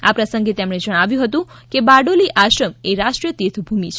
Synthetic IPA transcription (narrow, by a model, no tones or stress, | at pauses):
apɾəsə̃ŋɡet̪emɽed͡ʒəɽ̃aʋjũɦət̪ũkebaɖoliʔaʃɾəmeɾaʃʈɾiət̪et̪ʰbʱumit͡ʃʰ